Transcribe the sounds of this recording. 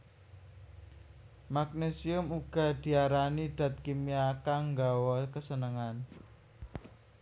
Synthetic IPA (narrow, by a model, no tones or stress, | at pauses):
mak̚nesiʊmuɡ̥a̤d̪̥i̤aɾaniɖ̪̥ä̤t̪̚kimiakaŋɡawɔkəsənəŋan